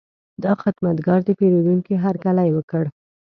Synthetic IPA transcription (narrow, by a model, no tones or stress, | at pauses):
d̪ɑxɪd̪mat̪ɡɑɾd̪əpeɾed̪uŋkiɦaɾkalajwəkəɽ